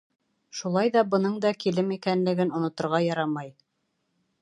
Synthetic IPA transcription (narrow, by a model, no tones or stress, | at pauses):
ʃulˠɑjðɑbɤ̆nɤɴd̪ɑkilɘmikænlɘ̆ɡɘnŏnŏt̪ŏɾʁɑjɑɾɑmɑj